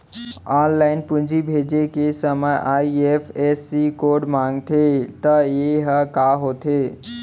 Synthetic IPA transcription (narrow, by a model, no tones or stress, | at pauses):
ɔnlaɪnpũnd͡ʒʱibʱed͡ʒekesəməjʔaiepʰesikoɖmaŋɡt̪ʰet̪əjeɦəkaɦot̪ʰe